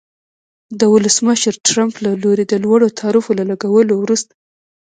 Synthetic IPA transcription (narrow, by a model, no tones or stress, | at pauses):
d̪əwʊləsməʃəɾʈɾamplaloɾed̪əlwaɽot̪ʰɑɾifolalaɡawəlowɾust̪ḁ